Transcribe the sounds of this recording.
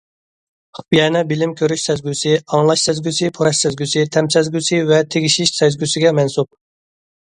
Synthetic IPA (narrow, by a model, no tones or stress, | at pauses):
χbjɛnɛbɪlɪmkʲʰøɾyʃsɛzɡʲysɪɑŋlˠɑʃsɛzɡʲysɪpʰoɾɑʃsɛzɡʲysɪt̪ʰɛmsɛzɡʲysɪvɛt̪ʰeɡʲiʃiʃsɛzɡʲysɪɡʲɛmɛnsup̚